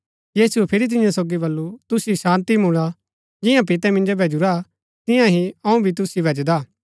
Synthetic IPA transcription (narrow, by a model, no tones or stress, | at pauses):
jiːsuɛpʰɪɾit̪̬ɪ̃jãsoːɡibɐlːut̪ʊsisãːnt̪imũɭ̃a | d͡ʒɪ̃jãpɪt̪ɛmɪ̃nd͡ʒobɛd͡ʒʊɾa | t̪ɪ̃jãɦiɐũbʱit̪̬ʊsibʱɐd͡ʒd̪aː